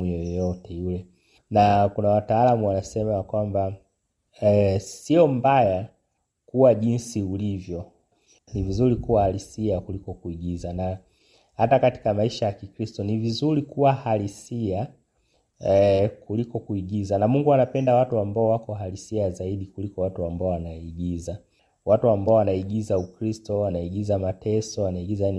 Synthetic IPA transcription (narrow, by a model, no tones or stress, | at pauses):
jɔjɔtɛjulɛ | nakunawataːlamuwanasɛmajakwamba | siɔmbaja | kuwaʄinsiulivjɔ | nivizuɾikuwahalisiakulikɔkuiɠizana | hatakati̥kamaiʃajakikɾistɔnivizuɾikuwahalisia | kulikɔkuiɠizanamuŋɡuanapɛndawatuambaɔwakɔɦalisiazaiɗikulikɔwatuambaɔwanaiɡiza | watuambaɔwanaiɡizaukɾistɔwanaiɠizamatɛsɔwanaiɡizajani